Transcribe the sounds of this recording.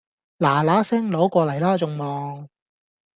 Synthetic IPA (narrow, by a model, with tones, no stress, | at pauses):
laː˨˩laː˨˥sɪ˥ŋlo˨˥wkʷɔː˧lɐ˨˩jlaː˥t͡sʊ˧ŋmɔː˨ŋ